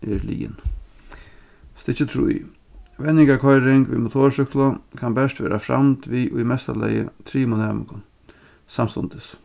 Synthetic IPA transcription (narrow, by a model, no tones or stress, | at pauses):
ɛɾlḭːɪ̰n | st̪ɪt͡ʃət̪ʰɾṵj | ʋɛnːɪŋkakʰɔjɾɪŋkʋiːmʊt̪ʰoːɹʂʏklʊkʰanbɛʂt̪ʋeːɾʔafɾa̰mt̪ʋiːʔʊjmɛst̪alɛ̰jə̰t̪ʰɾiːmʊnɛːmɪŋkʊn | samst̪ʊnt̪ɪs